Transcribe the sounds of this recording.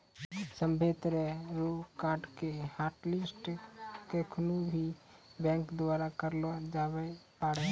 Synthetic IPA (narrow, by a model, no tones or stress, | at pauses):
sə̃mbʱet̪ɾeɾokaːɾɖkehaːʈlɪsʈkekʰnubʱibɛ̃ːŋkd̪waːɾakəɾlod͡ʒabɛpaːɽɛ